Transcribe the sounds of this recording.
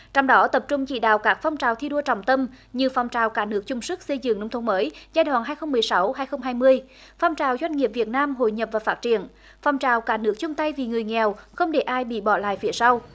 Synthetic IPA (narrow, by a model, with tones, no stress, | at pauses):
t͡ɕɔ˧wŋ͡mɗɔ˨˦t̪ə˨˩p̚t͡ɕʊ˧ŋ͡mt͡ɕḭ˧˨ɗa̰ː˧˨wkaː˦˥k̚fɔ˧wŋ͡mt͡ɕaː˨˩wt̪ʰi˧ɗu˧ət͡ɕɔ̰˧˨˩wŋ͡mt̪ə˧m | ɲɨ˧fɔ˧˩wŋ͡mt͡ɕaː˨˩wkaː˧˥nɨ˦˥ək̚t͡ɕʊ˧wŋ͡msɨ˦˥k̚sə˧jzɨ̰˧˨ŋnə˧wŋ͡mt̪ʰwŋ͡mməː˨˦jzaː˧jɗwa̰ː˧˨nɦaː˧jxə˧wŋ͡mmɨ˨˩əjsa˨˦wɦaː˧jxə˧wŋ͡mɦaː˧jmɨ˧əj | fɔ˧wŋ͡mt͡ɕaː˨˩wzwa˧jŋ̟ŋi˨˩əp̚vi˨˩ət̚naː˧mɦo̰˧˨jɲə˨˩p̚vaː˨˩faː˦˥t̚t͡ɕi˧˨ən | fɔ˧˩wŋ͡mt͡ɕaː˨˩wkaː˨˥nɨ˦˥ək̚t͡ɕʊ˧ŋ͡mt̪a˧jvi˨˩ŋɨ˨˩əjŋɛ˨˩wxə˧wŋ͡mɗe˧˩ʔaː˧jɓḭ˧˨ɓɔ˧˩la̰ː˧˨jfi˨˦əsa˧w